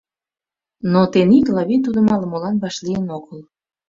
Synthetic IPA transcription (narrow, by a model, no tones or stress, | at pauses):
not̪eniklɑβit̪ud̪əmɑləmolɑnβɑʃlijənoɣəl